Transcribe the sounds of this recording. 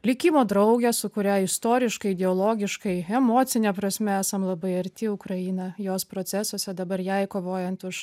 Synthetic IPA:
lʲɪkʲiːmoːd̪ɾɐʊɡʲɛsʊkʊɾʲæɪst̪oːɾʲɪʃkɐɪd̪ʲɛoːlˠoːɡʲɪʃkɐɪɛmoːtt͡s̪ʲɪnʲɛpɾɐsʲmʲɛæːsɐmlˠɐbɐɪɐɾʲt̪ʲɪʊkɾɐiːnɐjoːspɾoːsʲæsusʲɛd̪ɐbɐɾjɛɪkoːʋoːjɛnt̪ʊʃ

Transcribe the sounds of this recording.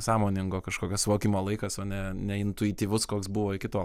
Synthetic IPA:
sɑːmoːnʲɪŋɡoːkɐʃkoːkʲɛsʋoːkʲɪmoːlˠɐɪkɐsoːnʲɛnʲɛɪnt̪ʊɪt̪ʲiːʋʊskoːksbʊʋoːɪkʲɪt̪oː

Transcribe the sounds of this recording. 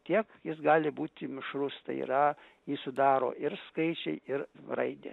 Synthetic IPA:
t̪ʲiɛkjɪsɡɑːlʲɪbuːt̪ʲɪmʲɪʃɾʊst̪ɐ̰ɪḭɾɐ | jiːsʊd̪ɑːɾo̰ːɪɾskɐɪt͡ʃʲɛɪɪɾrɐɪd̪ʲḛː

